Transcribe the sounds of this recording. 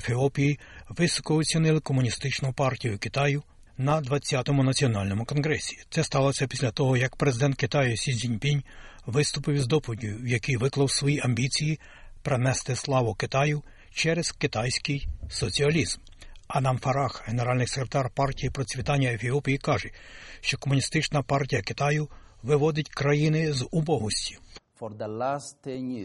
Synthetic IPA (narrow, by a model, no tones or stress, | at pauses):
efʲiɔpʲijiʋɪsɔ̥kɔɔt͡sʲinɪlˠɪkɔmʊnʲist̪ɪt͡ʃnʊpɑrtʲijʊkɪt̪ɑjʊ | nɐd̪ʋɐt͡sʲːat̪ɔmʊnɐt͡sʲiɔnɑlʲnɔmʊkɔnɦɾɛsʲi̥t̪sɛst̪ɑlˠɔsʲɐpʲi̥sʲlʲɐt̪ɔɦɔjɐkpɾezɪd̪ɛnt̪kɪt̪ɑjʊsʲizʲinʲpʲinʲ | ʋɪst̪ʊpɪwzd̪ɔpʊdʲijʊwjɐkijʋɪklˠɐwsʋɔjiʔɐmʲbʲit͡sʲiji | pɾenɛst̪ɪslˠɑʋɔkɪt̪ɑjʊ | t͡ʃɛɾezkɪt̪ɑjsʲkɪjsɔt͡sʲiɐlʲizm | ɐnɑmfɐɾɑxɦeneɾɑlʲnɪjsekɾʲet̪ɑrpɑrtʲijipɾɔt͡sʲʋʲit̪ɑnʲːɐefʲiɔpʲijikɑʒɛʃt͡ʃɔkɔmʊnʲist̪ɪt͡ʃnɐpɑrtʲijɐkɪ̥t̪ɑjʊ | ʋɪʋɔd̪ɪtʲkɾɐjinɪzʊbɔɦʊsʲtʲi̥fɔɾd̪ɐlast̪eɲ